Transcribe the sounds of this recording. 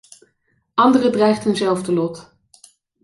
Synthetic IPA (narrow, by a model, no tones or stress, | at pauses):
ɑndərədrɛjχtɦənzɛlˠvdəlɔt